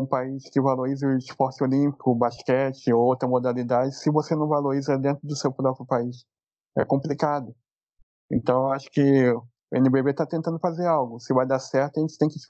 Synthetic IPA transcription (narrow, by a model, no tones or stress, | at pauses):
ũpaiʃkɪvaloɾizɪʊɪʃfɔɾsɪolĩpikʊbaʃkɛt͡ʃɪowt̪ɾɐmod̪alid̪ad͡ʒɪsɪvosenɐ̃w̃valoɾizɐd̪ẽnt̪ɾʊd̪ʊsewpɾɔpɾɪʊpaiʃ | ɛ̰kõmplikad̪ʊ | ḛ̃nt̪ɐ̃w̃aʃʊ̥kɪ | ʊḛ̃nɪbebet̪at̪ẽnt̪ɐ̃nd̪ʊfazeɾawɡʊsɪvajd̪asɛɾt̪ʊɐaʒẽnt͡ʃɪ̥t̪ẽj̃kɪ